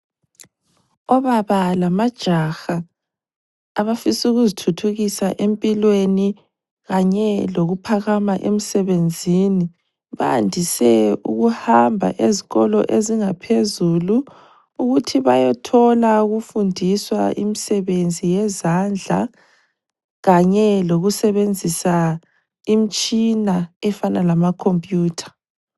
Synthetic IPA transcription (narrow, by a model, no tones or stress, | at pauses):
ɔβaβalamad̥ʒ̥ʱaxa | βafisuɣuzitʰutʰuɣisaʔempʼilweni | ɣaɲɛloɣupʰaɣamaʔemisɛβend͡zʱini | βa̰ndʱisɛuɣuhambʱa̰ʔeziɣɔlɔʔeziŋapʰezuluː | ɣutʰiβajɛtʰɔlauɣufundʱiswa̰ʔḭmisɛβend͡zʱijɛzand͡ɮʱa̰ | ɣaɲɛloɣusɛβend͡zʱisa | imit͡ʃʼinaɛfanalamakʰompʼjuːtʰḁ